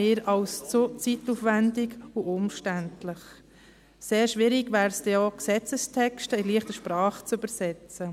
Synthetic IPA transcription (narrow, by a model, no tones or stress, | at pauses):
eːɾɑlst͡sut͡situfʋændɪɡuʔʊmʃtæntlɪχ | seːɾʃʋɪɾɪɡvæːɾsd̥ɛoksɛt͡səstʰɛkʃtəɪliəχtəʃpɾɑːχt͡sybəɾsɛt͡sə